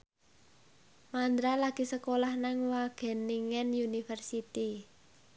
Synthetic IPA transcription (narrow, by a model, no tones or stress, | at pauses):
mand̪ɾalaɡ̥i̤səkolahnaŋwaɡ̥ɛ̤niŋɛnjunifərsit̪i